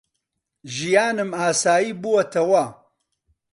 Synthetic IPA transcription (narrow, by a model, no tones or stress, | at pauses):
ʒijaːnɨmaːsaːjiːbuwɐt̪ʰɐwɐ